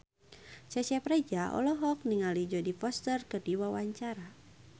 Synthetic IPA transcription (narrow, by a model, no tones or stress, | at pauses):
t͡ʃat͡ʃapɾed͡ʒaʔɔ̰lɔɦɔk̚niŋalid͡ʒɔdifɔst̪ərkədiwawaɲt͡ʃaɾa